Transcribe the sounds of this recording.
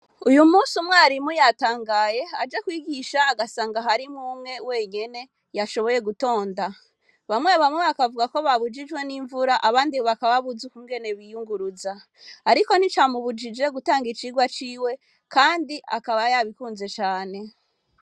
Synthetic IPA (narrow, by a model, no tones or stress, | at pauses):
ujumuːsumwaːɾimujataːŋɡaje̞ad͡ʒekwiːɡiʃaːɡasaːŋɡaɦaɾimumŋe̞we̞ːɲe̞ne̞ | jaʃo̞βo̞je̞ɡuto̞ːnda | βamwe̞βamweβakavuɡako̞βaβud͡ʒid͡ʒwe̞niɱvuɾaʔaβaːndiβakaβaβuzukuːŋɡe̞ne̞βijuŋɡuɾuzaː | ɾiko̞nit͡ʃamuβud͡ʒid͡ʒe̞ɡutaːŋɡit͡ʃiɡwat͡ʃiːwe̞ | kaːndiʔa̰kaβajaβikuːnze̞t͡ʃaːne̞